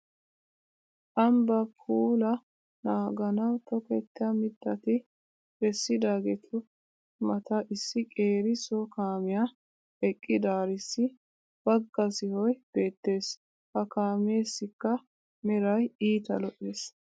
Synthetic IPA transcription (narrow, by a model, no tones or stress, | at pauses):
ʔɐmbɐpʰuːlɐ | naːɡɐnɐwt̪ɔket̪ːɪjɐmɪd̪ːɐt̪ɪ | b̥ɛsːɪd̪aːɡɛt̪ʰʊ | mɐt̪ɐʔɪsːɪkʼeːɾɪsɔkaːmɪja | ɛkʼːɪd̪aːɾɪsːɪ | b̥ɐɡːɐsɪhɔjb̥e̞ːt̪ːe̞ːs | hɐkaːmeːsːɪkːɐ | mɪɾɐjiːt̪ɐlɔʔeːs